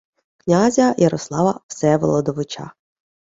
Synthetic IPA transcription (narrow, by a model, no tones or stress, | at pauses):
knʲazʲɐjʔɐɾɔslˠɑʋɐwsɛʋɔlˠɔd̪ɔʋɪt͡ʃɑ̰